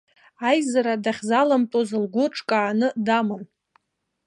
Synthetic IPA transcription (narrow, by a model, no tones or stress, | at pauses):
ajzaɾadaχʲzalamtʼozɨlɡʷʊʈ͡ʂʼkʼaːnɨdamɨm